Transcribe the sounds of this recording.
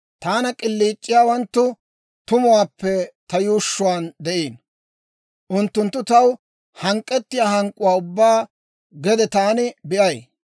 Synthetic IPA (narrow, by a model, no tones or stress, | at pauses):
t̪aːnɐkʼɪlːiːt͡ʃʼːɪjaːwɐnt̪ːʊ | t̪ʊmʊwaːpːɛt̪ɐjuːʃːʊwaːnd̪ɛʔiːn | ʔʊnt̪ːʊnt̪ːʊt̪ɐw | hɐŋkʼːɛt̪ːɪjaːhɐŋkʼːʊwaːʊbːaː | ɡɛd̪ɛt̪aːnɪbɪʔɐj